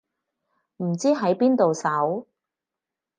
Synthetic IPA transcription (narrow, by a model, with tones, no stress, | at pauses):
m̩˨˩t͡siː˥ɦɐ˨˥jpiː˥nt̪o˨wsɐ˨˥w